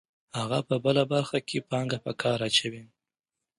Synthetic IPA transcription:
haɣapəbəlabaɾxakʰepɑŋɡapəkʰɑɾat͡ʃawi

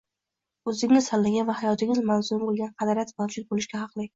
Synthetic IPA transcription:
ɵzɪŋnɪsalːɪɡʲavahajɒt̪ʰɪŋʲɪzmawzʊmbolˠɡʲanqʰɑd̪aɾjat̪mawd͡ʒʊd̪̚bolɪʃkʲaɦɑqlˠɪ

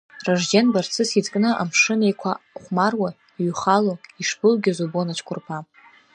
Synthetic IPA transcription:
raʐd͡ʒenbart͡sʰɨsid͡zkʼnɨʔa̰mʂɨnejkʷʰaχʷmarwa | iɥχaloiʂbɨlɡʲazobonat͡ʃʰkʷʰʊrpʰa

